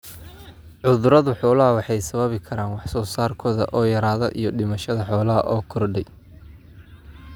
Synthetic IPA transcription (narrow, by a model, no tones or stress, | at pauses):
ʕʊðʊɾɐðʊħɔːlɐɦɐwɑħɑjsɐβɐβɪkʰɐɾaːnwɑħsɔːsaːrkʰɔːðɐ̰ʔɔːjɐɾaːðɔʔijɞɖɪmɐʃɐðɐħɔːlɐɦɐ̰ʔɔːkʰɔrɖɛj